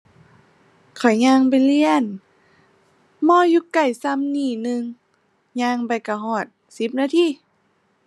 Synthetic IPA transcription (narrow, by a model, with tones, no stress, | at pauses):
kʰɔ˨˩jɲaː˧ŋpa˨jli˧ən | mɔː˧˨juː˧˦ka˨˩jsa˧˨mniː˧˩nɯ˧ŋ | ɲaː˧ŋpa˨˩jka˧˩ɦɔː˧˨˩t̪̚ | si˧˦p̚naː˧t̪ʰiː˧˨